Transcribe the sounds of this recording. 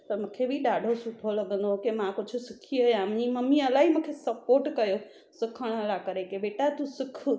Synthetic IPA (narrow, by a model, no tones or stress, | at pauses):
t̪ɐmũːkʰebiɗaːɖʱosʊʈʰolɐɠə̃nd̪okemãkʊd͡ʑʱʊ̆sɪkʰiɐjãmɲimɐmiɐlaːɦimũːkʰesɐpoːɾʈkɐjo | sɪkʰəɽ̃ɐlakɐɾekeɓeːʈat̪usɪk̆ʰ